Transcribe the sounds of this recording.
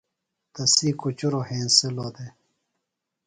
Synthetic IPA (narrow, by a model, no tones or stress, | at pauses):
t̪ɐsiːkut͡ɕuɾoːhẽːnseloːd̪e